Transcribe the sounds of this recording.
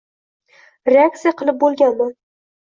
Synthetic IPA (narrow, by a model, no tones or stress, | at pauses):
ɾeak̚t̪sijaqʰɨlˠɪp̚bolˠɡʲanman